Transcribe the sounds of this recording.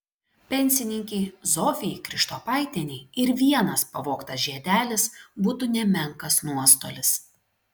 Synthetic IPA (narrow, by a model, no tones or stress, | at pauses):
pʲɛnʲsʲɪnʲɪŋʲkʲɛɪzoːfʲɪɪkɾʲɪʃt̪oːpɐˑɪt̪ʲɛnʲɛɪɪɾʋʲiɛnɐspɐʋoːkt̪ɐsʒʲiɛd̪ʲæːlʲɪsbuːt̪uːnʲɛmʲɛŋkɐsnuɔst̪o̰ːlʲɪs